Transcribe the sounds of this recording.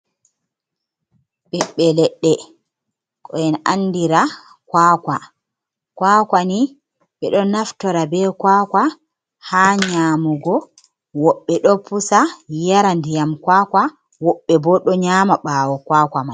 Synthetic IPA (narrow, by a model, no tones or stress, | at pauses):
ɓɛɓːɛlɛɗːɛ | kʰʼɔjɛnanːdiɾa | kwaka | kwakʷani | ɓɛɗɔnaftɔɾabɛkwaːkwa | haːɲaːmuɡɔ | wɔɓːɛɗɔpusajaɾandijamkwaːkwa | wɔɓːɛbɔɗɔɲamaɓaːwɔkwaːkʷamaj